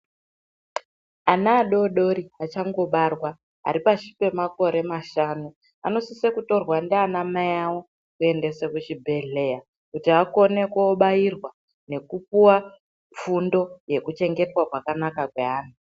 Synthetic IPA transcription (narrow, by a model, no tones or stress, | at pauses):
anaːɗo̞ɗo̞ɾiat͡ʃaŋɡo̞ɓarwa | a̰ɾipaʃi̥pe̞mako̞ɾe̞maʃanu | a̰no̞sisekuto̞rwandeanamajawo | kue̞nde̞sekut͡ʃibʱe̞ɮe̞ja | kutiako̞ne̞kuɓajirwa | ne̞kupuwa | ɱfundo̞je̞kut͡ʃe̞ŋɡe̞twakwakanakakwe̞ɦaːnu